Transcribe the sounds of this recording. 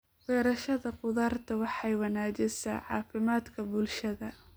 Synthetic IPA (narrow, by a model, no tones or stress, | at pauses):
wɛːɾɐʃɐðɐqʊðɑːrt̪ʰɐwɑħɑjwɑnaːd͡ʒɪsɐ̰ːʕɑ̰ːfɪmaːd̪kʰɐbʊlʃɐðɐ